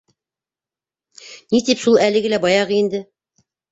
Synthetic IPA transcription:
nit̪ipʃulˠælɘ̆ɡɘlæbɑjɑʁɤind̪ɘ

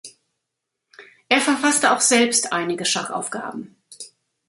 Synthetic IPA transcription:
ʔeːɐfɛɐfastəaʊxz̥ɛlpstʔaɪnɪɡəʃaχʔa̰ʊfɡ̥a̰ːbm̩

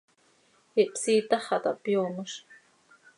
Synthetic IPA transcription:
hiʔpsiːt̪ɑχɑt̪ɑ̰ʔpjoːməʂ

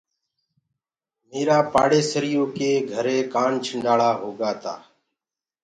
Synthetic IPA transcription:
meːɾaːpaːɽeːsəɾɪjõːkeːɡʱəɾeːkaːnt͡ʃʰəɳɖaːɭaːɦoːɡaːt̪a̰ː

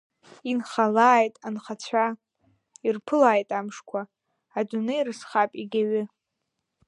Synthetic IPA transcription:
inχalaːjtʼanχat͡sʷʰa | irpʰɨlaːjtʼamʂkʷʰaː | dʷʊnɨirɨsχapʼiɡʲaɥɪ

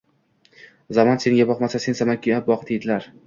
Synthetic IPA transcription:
zamɒnse̞ŋɡʲabɒqmasase̞nsamankʰʲiap̚bɒqʰd̪ed̪ɪlaɾ

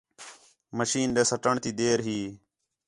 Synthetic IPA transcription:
məʃiːnɗeːsəʈəɳt̪iːd̪eːɾɦiː

